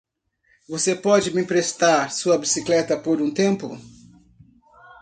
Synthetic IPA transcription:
vosepɔd͡ʒɪmɪpɾest̪aɾsuɐbisiklɛt̪ɐpoɾũt̪ẽmpʊ̰

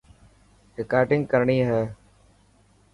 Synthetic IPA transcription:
ɾɪkaːɾʈɪ̃ŋɡkəɾɳiːɦɛː

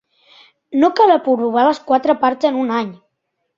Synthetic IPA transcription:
nokaβəpuruβ̞aləskwat̪ɾəpaɾtzənunaɲ

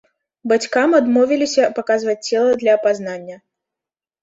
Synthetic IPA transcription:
bat͡sʲkamad̪mɔvʲilʲisʲɐpakazvɐt͡s̚ʲt͡sʲːɛlˠɐd̪lʲɐːpaznanʲːɐ

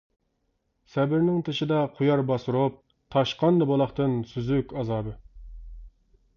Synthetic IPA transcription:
sɛbɪɾnɪŋt̪ʰɨʃid̪ɛqʰujɑɾbɑsuɾop̚ | t̪ʰɑʃqɑnd̪ɑbolˠɑχt̪ɨnsyzykʲɑzɑːbɨ

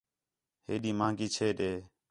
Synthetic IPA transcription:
hḛːɗiːmãːŋɡiːt͡ʃʰeːɗeː

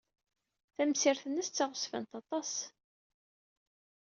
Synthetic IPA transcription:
θæmsɪɾθənːəst͡sːɑʁʊsvæ̰nt̪ɑt̪ˤɑs

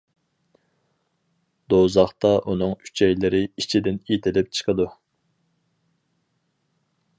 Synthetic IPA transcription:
d̪̥ozɑχt̪ɑʔunɨŋy̥t͡ʃʰɛjlɪɾɪit͡ʃʰid̪ɪnit̪ʰɪlɪp̚t͡ʃʰə̥qʰəd̪u

